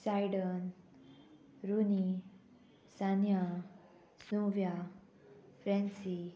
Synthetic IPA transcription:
sajɽən | ɾuni | sanja | snuʋja | fɾɛ̃nsi

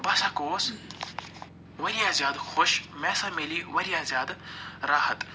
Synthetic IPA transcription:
bɐsaːkoːs | ʋɐɾijaːzʲjaːd̪xoʃmɛ̃ːsãmɪliʋɐɾijaːzjaːd̪ɾaːɦət̪

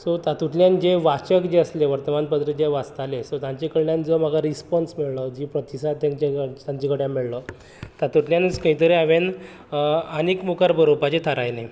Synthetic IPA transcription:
sɔt̪at̪uʈljand͡ʑeʋat͡ɕəkd͡ʑeəsleʋəɾt̪əmanpət̪ɾəd͡ʑeʋast̪alesɔt̪ãɲt͡ɕekəɽɳjand͡zom̤əɡaɾispɔnsmiɭlɔd͡ʑipɾət̪isad̪̚t̪jãɲt͡ɕat̪ãɲt͡ɕikəɽjãmiɭlɔ | t̪at̪uʈljanət͡skəɦĩt̪əɾeaʋen | ənikmukaɾbʱəɾopat͡ɕet̪ʰəɾajne

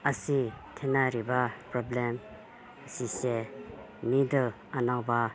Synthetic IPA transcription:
əsi | tʰenaɾibapɾɔblem | sise | nidɯ | anawba

